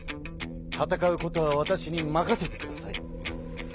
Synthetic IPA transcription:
t̪ʰat̪akaɯ̟ko̞t̪o̞βaβat̪aɕiɲ̟imakase̞t̪e̞kɯ̟d̪asaḭ

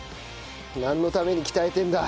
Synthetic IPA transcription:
nãnːo̞t̪ame̞ɲ̟ikʲi̥t̪aet̪ẽ̞nd̪a

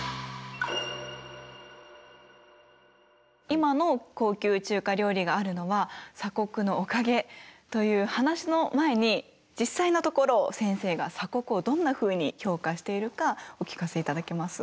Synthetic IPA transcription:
imano̞ko̞ːkʲɨːt͡ɕɨːkaɾʲo̞ːɾʲiɡaːɾɯ̟no̞βasako̞kɯ̟no̞ːkaɡe̞t̪o̞jɯ̟ːhanaɕino̞mae̞ɲ̟i | d͡ʑisːainot̪o̞ko̞ɾo̞sẽ̞ɰ̃se̞ːɡa̰sako̞kɯ̟o̞d̪õ̞nːaɸɯ̟ːɲ̟iço̞ːkaɕi̥t̪e̞iɾɯ̟kaokʲi̥kase̞it̪ad̪ake̞masɨ̥

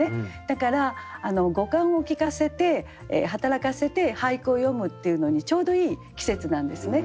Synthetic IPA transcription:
ed̪̥akaɾaːno̞ɡo̞kãɰ̃o̞kʲikase̞t̪e̞̰ | ɦat̪aɾakase̞t̪e̞haikɯ̟o̞jo̞mɯ̟t̪ːe̞jɯ̟no̞ɲ̟it͡ɕo̞ːd̪o̞iːkʲi̥se̞t͡sɨnãnd̪e̞sɨne̞

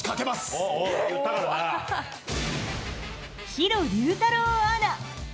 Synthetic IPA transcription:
kake̞mas | t̪a | çiɾoɾʲɯːt̪aɾoaɾa

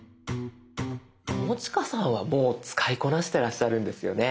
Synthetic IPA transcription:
komo̞t͡ɕi̥kasãɰ̃βamo̞ːt͡sɨ̥kaiko̞naɕi̥t̪e̞ɾaɕːaɾɯ̟̃nd̪e̞sɨjo̞̰ne̞

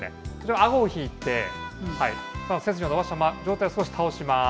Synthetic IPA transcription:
nḛot͡ɕoβaaɡoːçiːt̪ːe̞haḭmaset͡sɨɲʲionobaɕamad͡ʑo̞ːt̪ajosɨ̥ko̞ɕi̥t̪ʰao̞ɕima

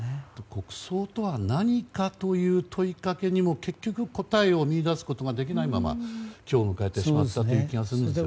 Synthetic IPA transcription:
t̪okʰo̞kɯ̟̥so̞ːt̪o̞βanaɲ̟ikat̪o̞jɯ̟ːt̪ʰo̞ikake̞ɲ̟imo̞ke̞kʲːo̞kɯ̟ko̞t̪aeo̞mʲiːd̪asɨ̥ko̞t̪o̞ɡad̪e̞k̬ʲinaimama̰kʲo̞ːmɯ̟kaet̪ːe̞ɕimat̪ːat̪ːe̞jɯkʲiɡasɨɾɯ̃d̪esḭj̰

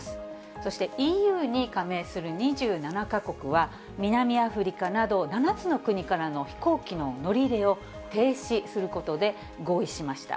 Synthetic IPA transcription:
sɨ̥ | so̞ɕi̥t̪e̞ʔiːjɯ̟ːɲ̟ikame̞ːsɨɾɯ̟ɲ̟iʑɨːnanakako̞kɯ̟βa | mʲinamʲiaɸɯ̟ɾʲikanad̪o̞nanat͡sɨno̞kɯ̟ɲ̟ikaɾano̞çi̥ko̞ːkʲino̞no̞ɾʲiɾe̞o̞ | t̪e̞ːɕisɨɾɯ̟ko̞t̪o̞d̪e̞ | ɡo̞ːiɕimaɕi̥t̪a̰

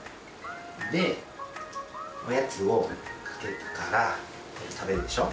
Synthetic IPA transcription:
d̪e̞ | ojat͡sɨokʰḁke̞t̪e̥kaɾa | t̪ʰabe̞ɾɯ̟d̪e̞ɕo

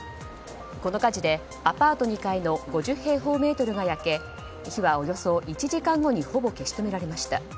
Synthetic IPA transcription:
ko̞no̞kad͡ʑid̪e̞ | apaːt̪o̞ɲ̟ikaino̞ɡo̞ʑɨhe̞ːɦo̞ːme̞ːt̪o̞ɾɯ̟ɡajake̞ | çiβao̞jo̞so̞ʔit͡ɕiʑikãŋɡo̞ɲ̟iho̞bo̞ke̞ɕi̥t̪o̞me̞ɾaɾe̞maɕi̥t̪a̰

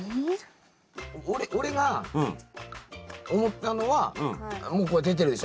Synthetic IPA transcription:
oɾeʔoɾe̞ɡã | omot̪ːano̞βãmoːkoed̪e̞t̪̬e̞ɾɯ̟d̪eʃo

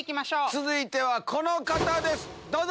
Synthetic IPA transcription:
kʲimaɕoːt͡sɨzɨit̪e̞βakʰo̞no̞kat̪ad̪e̞sɨ̥ | d̪oːz

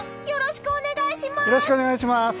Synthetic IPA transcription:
joɾoɕi̥kɯone̞ɡaiɕimajoɾo̞ɕi̥kɯoneaiɕimas

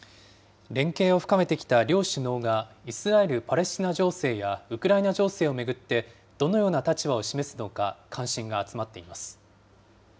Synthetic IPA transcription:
ɾẽ̞ŋke̞ːo̞ɸɯ̟̥kame̞t̪e̞kʲi̥t̪aɾʲo̞ːɕɨno̞ːɡaisɨɾae̞ɾɯ̟paɾe̞ɕt͡ɕinaʑo̞ːse̞ːjaɯ̟kɯ̟ɾainaʑo̞ːse̞ːo̞me̞ɡɯ̟t̪ːe̞ | d̪̥o̞no̞jo̞ːnat̪at͡ɕiβao̞ɕime̞sɨno̞kakʰãɰ̃ɕĩŋɡaːt͡sɨmat̪ːe̞imasɨ̥

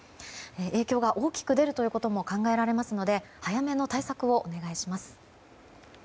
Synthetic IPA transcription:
eʔe̞ːkʲo̞ːɡaʔo̞ːkʲi̥kɯ̟d̪e̞ɾɯ̟t̪o̞jiɯ̟ːko̞t̪o̞mo̞kãŋɡae̞ɾaɾe̞masɨno̞d̪e̞ | hajame̞no̞t̪aisakɯ̟o̞ʔone̞ɡaiɕimasɨ̥

